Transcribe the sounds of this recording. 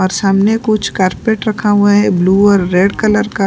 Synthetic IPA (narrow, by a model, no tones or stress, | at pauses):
ɔːɾsaːmnekʊt͡ʃʰkaːɾpeːʈɾɐkʰaɦuaɦɛbluːɔːɾːeːɖkɐləɾka